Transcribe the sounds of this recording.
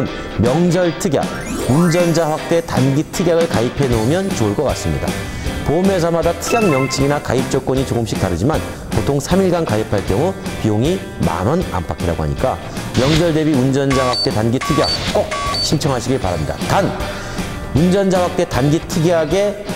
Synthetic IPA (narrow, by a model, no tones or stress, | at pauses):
n | mjʌŋd͡ʑʌɭtʰɯɡja̰k̚ | und͡ʑʌnd͡ʑaɸwak̚t͈e̞tanɡitʰɯɡjaɡɯɭkaipʰe̞nomjʌnt͡ɕouɭk͈ʌk͈as͈ɯmɲḭda̰ | pomes̬ʰamadatʰɯɡaŋmjʌŋt͡ɕʰiɡinaka̰ip̚t͡ɕ͈ʌk̚k͈wʌɲit͡ɕoɡɯmɕ͈ʰi̥k̚t͈aɾɯd͡ʑiman | potʰoŋsʰamiɭɡankaipʰaɭk͈jʌŋupioŋi | ma̰nʌna̰mpʰakʰiɾa̰ɡoɦa̰ɲḭk͈a | mjʌŋd͡ʑʌɭde̞biund͡ʑʌnd͡ʑawak̚t͈e̞tanɡitʰɯɡja̰k̚k͈ok̚ɕʰint͡ɕʰʌŋɦaɕʰiɡiɭpaɾamɲida̰tan | und͡ʑʌnd͡ʑawak̚t͈e̞tanɡitʰɯɡiɦaɡe̞